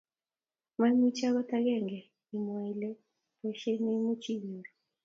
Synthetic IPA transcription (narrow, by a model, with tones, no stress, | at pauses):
ma˦mi˦t͡ʃa˦ɣɔ˦ta˦ɣɛ˦˨ŋɡɛ˨ | i˨mwa˨i˨lɛ˦ | ɛ˨ʃɛ˦ni˦mu˦t͡ʃi˦βi˨ɾɔ˨